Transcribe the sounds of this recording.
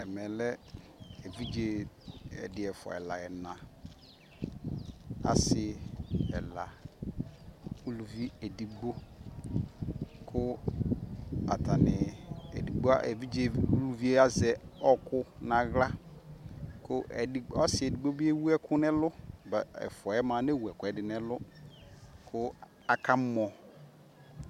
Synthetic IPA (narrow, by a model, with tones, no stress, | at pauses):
ɛ˨mɛ˨lɛ˦ | e˨vi˦d͡ʒe˨ɛ̰˨dɪ˨ɛ˨fɔ̰˨ɛ̰˨la̰˨ɛ˨nã˨ | a̰˨sɪ˨˦ɛ̰˨la˨ | u˦lu˨vi˦e˨di˨ɡ͡bo˦ | kʰʊ˦ | a̰˨ta˨nɪ˨ḛ˨di˨ɡ͡bo˦a˦ʔḛ˨vi˦d͡ʒe˦˨˦u˦lu˦vi˦e˦a˦zɛ˨ɔ˦kʊ˦nã˨ɣla˦ | kʊ˦ʔɛ˨di˨ɔ˦sɪ˨e˨di˨ɡ͡bo˦bi˦e˦wu˦ɛ˦kʰʊ˦nɛ˦lʊ˦bɛ̰˨fɔ˨ɛ˦mã˨˦ne˦˨wu˨ɛ˨kʊ˨ɛ˨dɪ˨nɛ˦lʊ˦ | kʰʊ˦ | a˨ka˦mɔ˨